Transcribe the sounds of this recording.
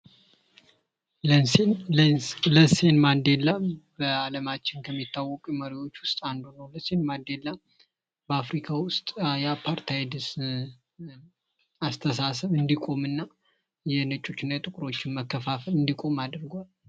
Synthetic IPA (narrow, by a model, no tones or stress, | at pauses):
ləsenmand̪elabəaləmat͡ʃːɪnkʰəmːit̪ʰːawːɔkʼuməɾiwo̞t͡ʃːwʊst̪ʼand̪unəwləsenmand̪elːa | bəafɾikʰawʊst̪ʼjapʰaɾt̪ʰajd̪ɨs | ast̪ʰəsasəβɨnd̪ikʼo̞mɨnːa | jɛnət͡ʃʼːo̞t͡ʃːɪnːajt̪ʼɨkʼɾo̞t͡ʃːɪnməkːəfafəlɨnd̪ikʼo̞mad̪ɨɾɡʷal